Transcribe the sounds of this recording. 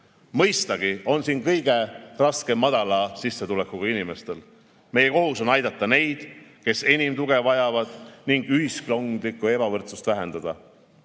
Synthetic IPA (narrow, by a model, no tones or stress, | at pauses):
mɤjst̪ɑɡ̥io̞nsinkɤjɡ̥e̞rɑske̞mːɑd̪̥ɑlɑsisːe̞t̪ulekːˑuɡ̥ɑinime̞st̪e̞l | me̞je̞ko̞ɦuso̞nɑjd̪ɑt̪ˑːɑne̞jd̪̥ke̞se̞nʲimt̪uɡ̥e̞vɑjɑvɑd̪̥niŋɡ̥yɦiskloŋd̪likːˑue̞b̥ɑvɤrt̪sust̪væɦe̞nd̪̥ɑd̪̥ɑ